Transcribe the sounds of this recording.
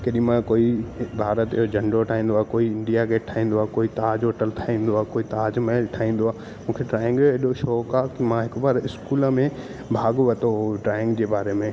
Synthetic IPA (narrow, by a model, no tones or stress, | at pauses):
kɐɗĩmãkoːibʱaːɾət̪ɪɦod͡ʑɐ̃ɳɖɾoʈʰaːɦĩːn̆d̪oaːkoːiɪ̃ɳɖijakʰeʈʰaːɦĩːn̆d̪oaːkoːit̪aaːd͡ʑɦoːʈəlʈ̪ʰaːĩːn̆d̪oaːkoːit̪aad͡ʑmeʈʰaːĩːn̆d̪oaː | mũːkʰeʈɾaːɪ̃ŋɡeɗoʃɔːkakimãɦɪkbaːɾɪskuːlmẽ | bʱaːɡʋɐt̪oʈɾaːɪ̃ŋɡd͡ʑeːbaːɾemẽ